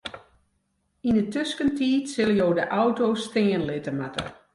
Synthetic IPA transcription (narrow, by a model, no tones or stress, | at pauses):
indətøskəntiːtsɪlˠjoːdəʔawtoːstɪːənlɪtəmatə̰